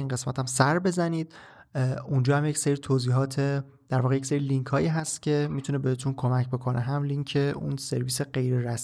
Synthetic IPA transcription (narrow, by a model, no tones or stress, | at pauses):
inɢe̞smæ̰t̪ʰæmsæɾbe̞zæniːd̪̥̚ | ʔund͡ʒɒːhæmje̞cseɾiːt̪ʰoziːɦɒːt̪ʰe̞ | d̪̥æɾvɒːɣejecʲse̞ɾiliŋkʰhɒːjiːɦæst̪cʰe̞mit̪ʰune̞behe̞t̪ʰunkʰo̞mæcbe̞kʰo̞nʔeɦæmliŋcʰe̞unse̞ɾviːseɢe̞jɾeɾæs